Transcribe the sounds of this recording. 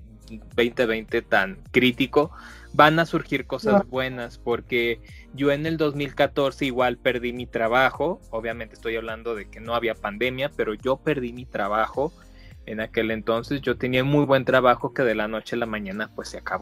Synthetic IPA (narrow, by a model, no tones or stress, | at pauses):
be̞jnt̪e̞βe̞jnt̪e̞t̪aŋkɾit̪iko̞ | banasuɾxiɾko̞sazβwe̞naspo̞ɾke̞ | ɟ͡ʝo̞e̞ne̞ld̪o̞zmilkat̪o̞ɾse̞iɣwalpe̞ɾðimit̪ɾaβ̞axo̞oβjament̪est̪o̞jaβ̞land̪o̞ðe̞ke̞no̞aβiapand̪e̞mjape̞ɾo̞ʝo̞pe̞ɾðimit̪ɾaβaxo̞ | e̞nake̞lent̪o̞nse̞sʝot̪e̞niaumujβwe̞nt̪ɾaβaxo̞ke̞ðe̞lano̞t͡ʃe̞lamãɲãnapwe̞sːeakaβo